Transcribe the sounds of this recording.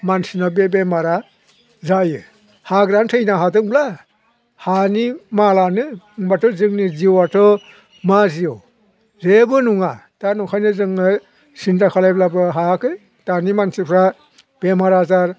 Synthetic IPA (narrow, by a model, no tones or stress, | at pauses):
mansinɔbebemaɾa | zajɯ | haɡɾantʰɯjnaɦadɯŋbla | hanimalanɯ | ŋbatʰɔzɯŋniziwatʰɔ | maziɔ | ɾebɯnuŋatanukʰajnɯzɯŋɯ | sintakʰalajblabɯɦakɯj | tanimansipʰɾa | b̥emaɾazaɾ